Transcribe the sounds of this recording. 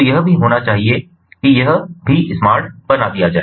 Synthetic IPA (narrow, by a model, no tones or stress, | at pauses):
jɐɦ̆bʱiɦoːɽ̃at͡ɕaːɦie | kijɐɦ̆bʱiʔɪsmaːɾʈbɐnad̪ijaːd͡ʒaːe